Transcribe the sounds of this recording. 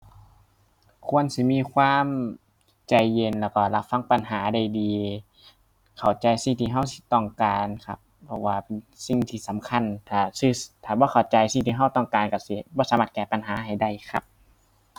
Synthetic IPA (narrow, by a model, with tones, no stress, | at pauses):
kʰu˧˥˨ə˨nsi˧˦miː˧˨kʰwaː˧˥˨m | t͡ɕa˧jːe˧nlɛː˧˩wkɔː˧˩la˧˥p̚fa˧˥˨ŋpa˨nɦaː˩˦da˧˩jdiː˨˧ | kʰa˨˩wt͡ɕa˧jsi˧˩ŋt̪ʰiː˧ɦa˧˥˨wsi̥˧˦t̪ɔ˧˩ŋkaː˨nkʰa̰˧˩p̚ːʰɔ˧˩waː˧pe˧˨n | si˧˨ŋt̪ʰiː˧˩sa˨˦mkʰa˧˥˨nt̪ʰaː˧˩si˧˩t̪ʰaː˨˩bɔː˧˦kʰa˨˩wt͡ɕa˧jsi˧˩ŋt̪ʰiː˧ɦa˧˥˨wt̪ɔ˧˩ŋkaː˨nkɔ˧˩si˧˩bɔː˧˨saː˨˦ma˧t̪̚kɛː˧˨pa˨nɦaː˨˦ɦa˨˩jda˧˩jkʰa̰˧˦p̚